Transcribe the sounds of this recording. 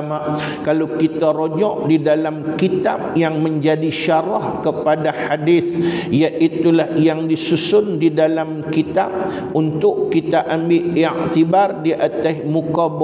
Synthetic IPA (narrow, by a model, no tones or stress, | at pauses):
ma | kalawkit̪aɾod͡ʒɔʔdidalamkit̪ap̚jaŋmə̃ɲd͡ʒadiʃaɾahkəpadaħadiθjaʔit̪ulahjaŋdisusʊndidalamkit̪ab̚ | unt̪ʊʔkit̪aʔambɪʔiʕt̪ibardiʔat̪asmukab